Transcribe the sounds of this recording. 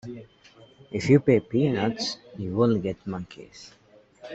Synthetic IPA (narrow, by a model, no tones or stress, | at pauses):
ɪfjupepinatsjiwɪlɡɛtmʌ̃ŋkʰḭs